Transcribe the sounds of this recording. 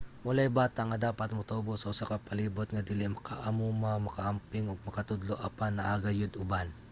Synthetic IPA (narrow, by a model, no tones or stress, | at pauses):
mʊlajbaːt̪aŋɐd̪aːpat̪̚mʊt̪oːbosɐʔʊsakapɐliːbot̪̚ŋɐd̪ɪlɪmɐkʰaʔamuːmamɐkaʔɐmpɪŋoɡ̚mɐkɐt̪ʊd̪loʔapanːɐʔaɡajʊd̪ʊban